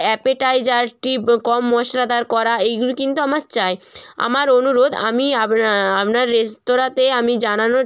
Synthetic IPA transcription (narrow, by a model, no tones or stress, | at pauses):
ɛpeʈajd͡ʑaɾʈikɔmːɔʃlad̪aɾkɔɾaejɡulikint̪uamaɾt͡ɕaea̰maɾonuɾod̪a̰miaapnaɾːest̪oɾat̪eamid͡ʑanano